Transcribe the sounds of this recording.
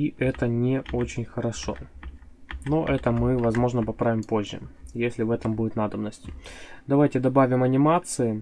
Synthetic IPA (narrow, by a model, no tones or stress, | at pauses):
iʔɛt̪ənʲɪo̞t͡ɕɪnʲxəɾɐʂo̞̰ | noʔɛt̪əmɨvɐzmo̞ʐnəpɐpɾavʲɪmpo̞ʑʲːɪ̰jesʲlʲɪvɛt̪əmbudʲɪt̪nad̪əbnəsʲtʲɪd̪ɐvajtʲɪd̪ɐbavʲɪmɐnʲɪmat̪sɨɪ